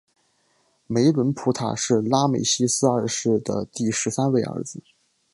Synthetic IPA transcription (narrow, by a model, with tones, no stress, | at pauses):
me˧˥ɪlwə˧˥npʰu˧˥t̪ʰa̰˨˩ʂɻ̩˥˩la˥me˨˩ɪɕi˥sɹ̩˥ə˞˥˩ʂɻ̩˥˩d̪ə̰˩t̪i˥˩ʂɻ̩˧˥sa˥nwe˥˩ɪə̰˞˧˥d͡zɹ̩˧˦